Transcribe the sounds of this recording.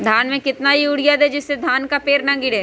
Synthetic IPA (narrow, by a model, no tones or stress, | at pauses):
d̪ʱaːnmẽkɪt̪naɦiʊɽijad̪ed͡ʒɪsːed̪ʱaːnkapeːɾnãŋɡɪɽeː